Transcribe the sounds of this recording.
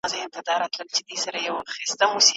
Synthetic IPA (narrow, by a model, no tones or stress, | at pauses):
zaɪmt̪ɪd̪ɑɾat̪ləlt͡ʃɪd̪isaɾajawxist̪amusi